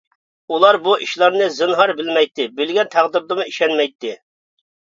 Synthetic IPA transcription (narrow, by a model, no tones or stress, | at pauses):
ulˠɑɾbuʔiʃlˠɑɾnɨzɨnɦɑɾbɪlmɛjt̪ʰːɪbɪlɡʲɛnt̪ʰæʁd̪ɨɾd̪ɨmuiʃɛnmɛjt̪ʰːɪ